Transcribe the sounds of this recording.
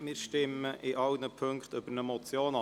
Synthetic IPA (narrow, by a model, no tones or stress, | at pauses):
mɪːɾʃtɪməʔɪʔɑwnəpʰøŋkt̪ʏb̥əɾnəmɔt͡sjoːnɑ